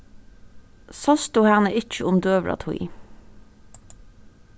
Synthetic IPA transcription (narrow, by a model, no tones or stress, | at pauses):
sɑst̪uhæʁnəɪc͡çəʊmd̪øːʋlʔɑ̰t̪ʰʊḭː